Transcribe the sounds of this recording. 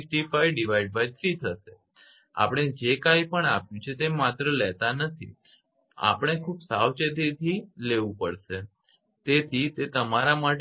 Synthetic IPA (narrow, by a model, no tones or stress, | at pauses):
fʈifajɖiʋajɖ̚bad͡ʒsit̪ʰəʃe | a̰pəɽ̃ed͡ʒekajpəɳapjũt͡ʃʰet̪emat̪ɾəlɛt̪anət̪ʰḭ | a̰pəɽ̃ekʰubsawt͡ʃet̪̬it̪ʰileʋũpəɽʃe | t̪et̪ʰit̪et̪əmaɾamaʈ